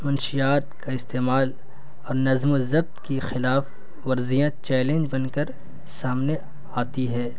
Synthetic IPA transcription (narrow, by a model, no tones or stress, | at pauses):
mɐnʃijaːt̪kaɪst̪eːmaːl | ɔːɾnɐzmozɐb̚t̪kixɪlaːf | ʋɐɾzijãt͡ʃɛːlẽnd͡ʒbɐnkɐɾ | saːmne | aːt̪iɦɛː